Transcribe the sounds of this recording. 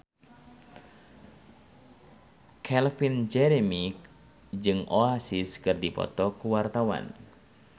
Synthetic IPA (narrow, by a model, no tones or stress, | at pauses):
kʰɛlfind͡ʒɛɾemi | d͡ʒɨŋʔoasiskɨrdipɔ̰t̪ɔkuwart̪awa̰n